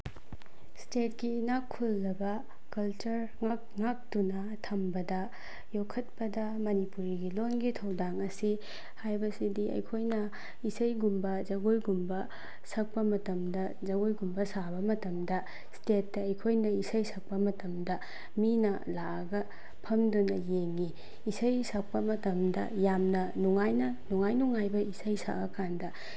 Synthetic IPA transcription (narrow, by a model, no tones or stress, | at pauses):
stet̚kinakʰːulːɐbɐ | kɐlt͡ʃɐɾ | ŋak̚ŋak̚tunɐ | tʰɐmbɐdɐ | jokʰɐt̚pɐdɐ | mɐnipuɾiɡilonɡitʰɐwdaŋɐsi | hajbɐsidiɐ̰jkʰojnɐ | isɐjɡumbɐzɐɡojɡumbɐ | sɐk̚pɐmɐtɐmdɐ | zɐɡojɡumbɐsabɐmɐtɐmdɐ | stet̚ːɐɐjkʰojnɐisɐjsʰɐk̚pɐmɐtɐmdɐ | minɐ̰ | laʔɐɡɐ | pʰɐmdunɐjeŋiː | sɐjsak̚pɐmɐtɐmdɐ̰jamnɐnuŋajnɐnuŋajnuŋajbɐisɐjsa̰ʔɐkandɐ